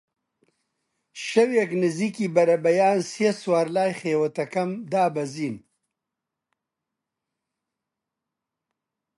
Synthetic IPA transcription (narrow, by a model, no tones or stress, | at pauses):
ʃɐweknɪzikibɐɾɐbɐjaːnsijeswaːɾlaːjxeːwɐt̪ɐkɐmd̪aːbɐziːn